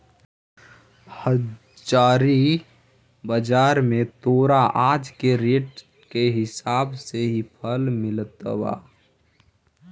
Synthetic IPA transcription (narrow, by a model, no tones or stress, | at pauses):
hə | d͡ʒaːɾi | bəd͡ʒaːɾmẽt̪oːɾaʔad͡ʒkeɾeːʈ | keɦɪsaːbseɦipʰəlmɪlt̪əba̰ː